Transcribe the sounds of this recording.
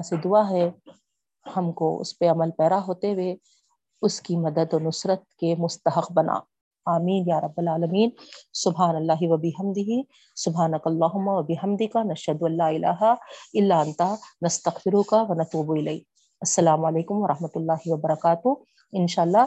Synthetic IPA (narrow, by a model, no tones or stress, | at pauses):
ased̪ʊaɦɛ | hɐmko̰ʊ̰speɐməlpɛːd̪aɦoːt̪eʋe | ʊskimɐd̪əd̪ɔnʊsɾət̪̚kemʊst̪ɐɦɐqbɐna̰ː | aːmiːnjaːɾˤɐbːɐlaːlɐmiːnsʊbɦaːnɐlːaːɦiʋɐbɪɦɐmd̪ɪɦi | sʊbɦaːnɐkɐlːaːɦʊmːaʋɐbɪɦɐmd̪ɪkanɐʃhɐd̪ʊɐlːaːɪlʔa̰ːɦaɪlːaːɐnt̪anɐst̪ɐqfɪɾʊkaʋɐnɐt̪uːbuɪlɐi | ɐsːɐlaːmɐleːkʊmʋɐɾɐɦmɐt̪ʊlːaːɦiʋɐbɐɾɐkaːt̪ʊ | ɪnʃaːɐlːaː